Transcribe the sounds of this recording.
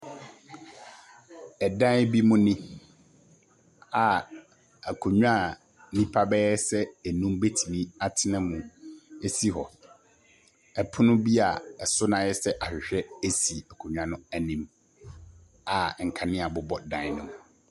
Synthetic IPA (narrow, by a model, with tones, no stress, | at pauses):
ɛ˨dã˦bi˦mʊ̃˦nĩ˦ | a˨ | æ˨kʰo˨ɲᶣu˦a˦˨ | nĩ˦pʰa˦bɛ˦ɛ˦sɛ˦æ˨nũ˦mbe˦tʰi˨mĩ˦a˦tʰɪ˦nã˦mũ˨e˦si˦ɦɔ˨ | ɛ˨pʰʊ˦nʊ̃˦bi˦a˨ɛ˨sʊ˦nã˨jɛ˦sɛ˦ʔa˨ɕᶣɪ˨ɕᶣɛ˦e˦si˨æ˨kʰo˨ɲᶣ˦ã˨nʊ̃˦æ˨nĩ˨m | a˨ŋ̩˨kʰa˨nɪ̃˦a˨bʊ˨bɔ˦dã˦n˦nʊ̃˨m̃˨